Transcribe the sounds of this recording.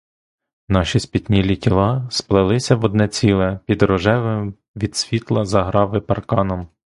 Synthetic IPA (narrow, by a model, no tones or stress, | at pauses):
nɑʃisʲpʲit̪ʲnʲilʲitʲilˠɑsplˠɪlˠɪsʲɐʋɔd̪nɛt͡sʲilˠɛpʲid̪ɾɔʒɛʋɪm | ʋʲid̪sʲʋʲit̪lˠɐzɐɦɾɑʋɪpɐrkɑnɔm